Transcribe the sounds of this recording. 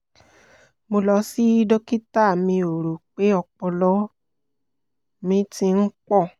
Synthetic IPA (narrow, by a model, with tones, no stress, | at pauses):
mo˧lɔ˧˦si˦i˦do˦ki˦ta˦˨mĩ˧o˨ɾu˨k͡pe˨˦ɔ˧k͡pɔ˧lɔ˦ | mĩ˨˦ti˧n̩˦k͡pɔ˦˨